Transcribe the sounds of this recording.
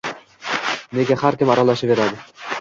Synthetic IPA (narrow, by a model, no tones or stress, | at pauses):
neɡʲahaɾkʲɪmɒɾɑlˠaʃapbe̞ɾad̪ɪ